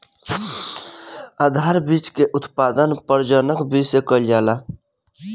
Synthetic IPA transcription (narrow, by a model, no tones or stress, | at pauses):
aːd̪ʱaːɾbit͡ʃkeʔʊt̪paːd̪ənpəɾd͡ʒənəkbʱisekəljaːla